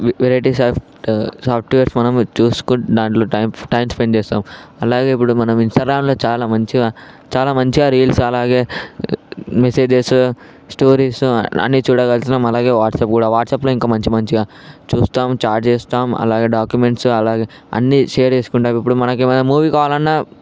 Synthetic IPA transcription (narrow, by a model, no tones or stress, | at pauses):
ʋeɾɐjʈisaːp | saːpʰʈujɐɾsmɐnɐmt͡ʃuːsu̥kud̪aːɳʈloːɐjmʈɐjmspeɳt͡ʃɛːst̪aːmɐlaːɡe̞ːip̬ːuɽumɐnɐminsʈɐːɡɾaːmlo̞ːt͡ʃaːlaːmɐɲt͡ʃiaː | t͡ʃaːlaːmɐɲt͡ʃiɡaːɾiːlsɐlaːɡe̞ː | mese̞ːd͡ʒes | sʈoːɾiːsɐ̰nːit͡ʃuːɽɐkɐlt̪inːaːmɐlaːɡe̞ːʋaːʈsɐːp̚kuːɽaːʋaːʈsaːplo̞ːiŋkaːmɐɲt͡ʃimɐɲt͡ʃiɡaː | t͡ʃuːst̪aːmsaːɾʈt͡ʃeːst̪aːmɐ̰laːɡe̞ːɖaːkjumeɳʈsɐlaːɡeː | ɐ̰nːiʃeːɐɾt͡ʃeːsu̥kuɳʈaːmipːuɽumɐnɐkimɐnɐmuːʋiːkaːʋaːlɐnːaː